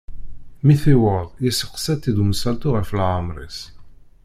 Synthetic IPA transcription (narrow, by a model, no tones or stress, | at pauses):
miθiwəðˤjisə̥qːsæt̪ːid̪umsælt̪uʁəflʕamɾˤḭs